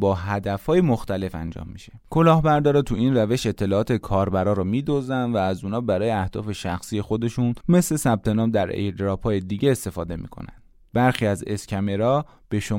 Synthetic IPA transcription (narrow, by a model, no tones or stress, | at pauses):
bɒːɦæd̪æfhɒːjemoxt̪æle̞fæ̰nd͡ʒɒ̰ːmːiʃe̥kʰo̞lɒːhbæɾd̪ɒːɾet̪ʰuiːnræve̞ʃe̞t̪ʰːe̞lɒːɒːt̪ʰekʰɒːɾbæɾɒːɾɔmiːd̪ozænvæːzuːnɒːbæɾɒːjeæhd̪̥ɒ̰ːfe̞ʃæxsiːje̞xo̞d̪e̞ʃunme̞sle̞sæb̥̚t̪ʰe̞nɒːmd̪æɾḛd̪ɾɒːpʰɒːje̞d̪iːɡɟe̞ːst̪e̞fɒːd̪e̞mḭːkʰo̰næ̰nd̪̥ | bæɾxiːæze̞scʰʲæme̞ɾɒː | b̥e̞ʃo